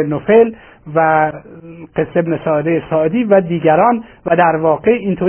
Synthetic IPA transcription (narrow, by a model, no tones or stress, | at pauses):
nofel | væ | qe̞sːebnesɒːed̪ejesɒːʔed̪iːvæd̪iːɟæɾɒːnvæd̪æɾvɒːɡe̞int̪ʰo